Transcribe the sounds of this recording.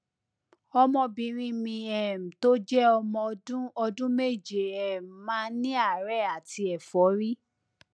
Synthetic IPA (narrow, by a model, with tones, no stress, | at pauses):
ɔ˧mɔ̃˧bĩ˨ɾ̃ĩ˦mĩ˧ɛ˨m̩˨to˦d͡ʒɛ˦ɔ˧mɔ̃˧dũ˦ɔ˧dũ˦me˦˨d͡ʒe˨ɛ˨m̩˨mãː˦nĩ˦a˦˨ɾɛ˦˨a˨ti˧ɛ˨fɔ˨˦ɾi˦